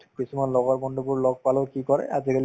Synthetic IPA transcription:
kisumanlɔɡɔɹbɔndubuɹlɔɡ̚palokikɔɹɛ̰azikali

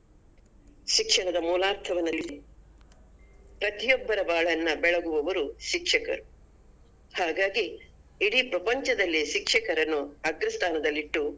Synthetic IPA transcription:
ʃikʂɐɳɐd̪ɐmuːlaːɾt̪ʰɐʋɐnːɐlt̪i | pɾɐt̪ijɔbːɐɾɐbaːɭɐnːɐbɛɭɐɡuʋɐʋɐɾuʃikʂɐkɐ̰ɾu | haːɡaːɡiː | ɽipɾɐpɐɲt͡ʃɐd̪ɐlːiʃikʂɐkɐɾɐnːuɐɡɾɐst̪ʰaːnɐd̪ɐlːiʈːu

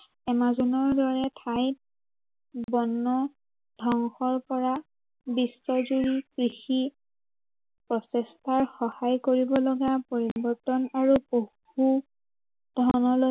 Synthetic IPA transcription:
ɛmazunɔɹdɔɹɛtʰajt | bɔnːɔ | dʱɔŋxɔɹpɔɹa | bisːɔzuɹikɹixi | pɹɔsɛstʰaɹxɔhajkoɹibɔlɔɡapoɹibɔɹtɔnaɹuboh | u | d̥ʱɔnɔlo

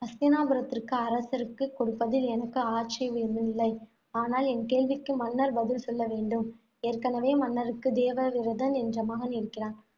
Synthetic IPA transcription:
ɐst̪ɪnaːbɐɾɐt̪ːɪrkɯɐɾɐsɐɾɯkːɯkːɔɽɯpːɐðɪlɛnɐkːɯaːʈt͡ʃɐɪʋɪɾɯnd̪ɯnɪlːɐɪ | aːnaːlɛnkeːɭʋɪkːɯmɐnːɐɾbɐðɪlsɔlːɐʋeːɳɖɯm | eːrkɐnɐʋeːmɐnːɐɾɯkːɯd̪eːʋɐʋɪɾɐðɐnɛndrɐmaːɣɐnɪɾɯkːɪraːn

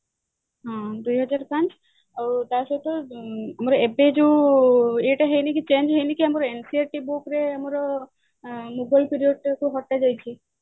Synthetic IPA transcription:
ɦɔ̃d̪ujɦɔd͡ʒaɾpãnt͡ʃ | aɾut̪asɔt̪ɔamɔɾɔebed͡ʒeũ | eʈaɦejnikit͡ʃend͡ʒɦejnikiamɔɾɔensiaʈibukɾeamɔɾɔ | mubajlpiɾioɖkuɦɔʈːad͡ʒajt͡ʃʰi

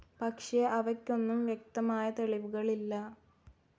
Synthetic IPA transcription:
pɐkʂeʔɐʋɐkʲːo̞nːumʋjek̚t̪ɐmaːjɐt̪e̞ɭiʋuɣɐɭilːɐ

